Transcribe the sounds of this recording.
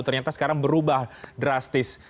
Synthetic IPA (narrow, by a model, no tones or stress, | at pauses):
t̪ərɲat̪asə̥kaɾaŋbəɾubahdɾast̪ɪs